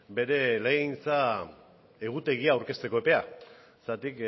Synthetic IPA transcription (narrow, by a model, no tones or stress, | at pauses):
be̞ɾe̞leint͡sa | e̞ɣ̞ut̪e̞ɣ̞iaːwɾke̞st̪eko̞epe̞a | sat̪ik